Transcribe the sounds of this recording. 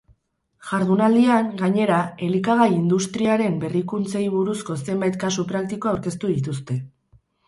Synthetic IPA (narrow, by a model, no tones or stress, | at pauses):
ʝaɾðunald̪iaŋɡaɲe̞ɾae̞likaɣ̞ajind̪ust̪ɾiaɾe̞mbe̞rikunt͡se̞jβuɾusko̞se̞mbajt̪̚kasupɾak̚t̪iko̞awɾke̞st̪uðit̪us̬t̪e̞